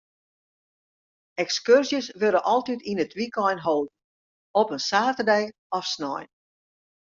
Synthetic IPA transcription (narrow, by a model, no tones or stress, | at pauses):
ɛkskørsjəsʋørdənʔɔlˠtitinətʋikɔjnɦolˠd̚n̩ | ɔpənsaːtərdɛj | ɔfsnɔ̰jn